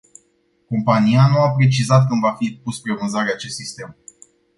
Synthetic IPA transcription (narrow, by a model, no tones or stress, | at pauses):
ko̞mpanianuapɾe̞t͡ʃizat̪̚kɨmvafipuspɾe̞vɨnzaɾeat͡ʃe̞st̪sist̪e̞m